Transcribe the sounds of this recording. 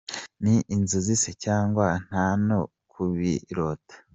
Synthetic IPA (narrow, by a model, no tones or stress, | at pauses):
niʔinzuzisecaːŋɡwan̥hano | kʰuβiɾotḁ